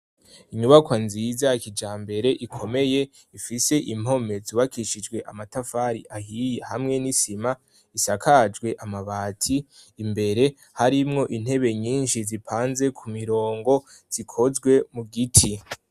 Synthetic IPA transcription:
iɲuβakwanzizakid͡ʒaːmbe̞ɾe̞ʔikʰo̞me̞je̞ | ifise̞ʔim̥o̞me̞zuβakiʃid͡ʒɡwe̞ʔamatafaɾḭʔahijehamŋe̞nisima | isakʰad͡ʒɡwe̞ʔamaβaːtʰiː | mbe̞ɾe̞ | haɾimŋo̞ʔin̥he̞βe̞ɲiːnʃizipʰaːnze̞kʰumiɾo̞ːŋɡo̞ | z̥ikʰo̞zɡwe̞muɡitʰi

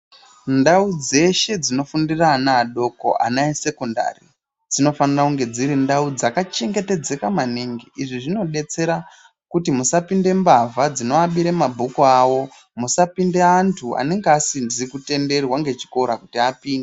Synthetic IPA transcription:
ndaud͡ze̞ʃe̞d͡zino̞fundiraːnaːɗo̞ko̰ʔa̰nainse̞konda̰ri | d͡zino̞fanirakuŋɡe̞d͡ziɾindaud͡zakat͡ʃe̞ŋɡe̞te̞d͡ze̞kamaneŋɡeʔiʐiʐino̞ɗe̞t͡se̞ɾa | kutimusapinde̞mbavad͡zino̞aɓiɾemabʱukuawo̞ | musapindeantʰua̰ne̞ŋɡeasindiikute̞nde̞rwaŋɡe̞t͡ʃi̥ko̞ɾakutiapiːnde

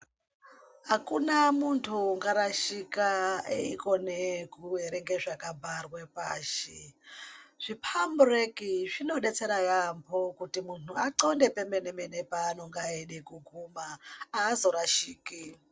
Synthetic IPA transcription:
ɦakunamuntʰuŋɡaɾaʃikaḛḭkonekueɾeŋɡeʐakabʱarwepaːʃi | ʐ̥ipʰamburekiʐino̞ɗet͡seɾajampʰokutimuntuaǀondepemenemenepaːnoŋɡaeɗekuɡʱumaaːzo̞ɾaʃiːki

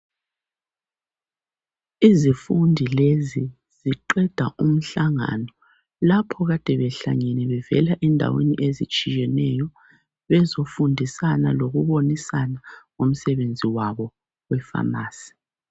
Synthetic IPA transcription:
izifundʱilezi | z̥iǃɛd̥ʱa̰ʔum̩ɬaŋa̰nɔ | lapʰɔɣad̥ʱɛβɛɬa̰ɲɛnɛβɛvɛlaʔɛndʱa̰wḛniʔezit͡ʃʼijɛnɛjɔ | βɛzofundʱisana̰loɣuβonisanaom̩sɛβend͡zʱiwaβɔ | wɛfa̰maːsi̥

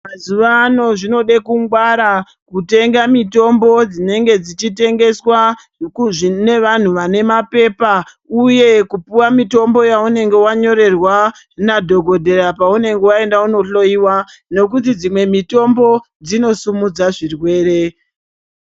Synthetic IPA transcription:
mazuʋaːno̞ʐino̞ɗekuŋɡwaɾa | kute̞ŋɡamito̞mbo̞d͡zine̞ŋɡe̞d͡zit͡ʃite̞ŋɡe̞swa | kuʐine̞ʋan̤uʋane̞mape̞pa | uje̞kupuwamito̞mbo̞jaune̞ŋɡe̞waɲo̞ɾe̞rwa | nadʱo̞ɡʱo̞dʱe̞ɾapaune̞ŋɡe̞wae̞ndauno̞ɬo̞iwa | ne̞k̬ut̬id͡zimwe̞mito̞mbo̞ | d͡zino̞sumud͡zaʐirwe̞ːre̞

